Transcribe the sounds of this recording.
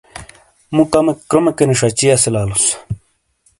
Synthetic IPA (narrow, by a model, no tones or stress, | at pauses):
mut̪amekːɾomekeniʂat͡ɕiaselaːlus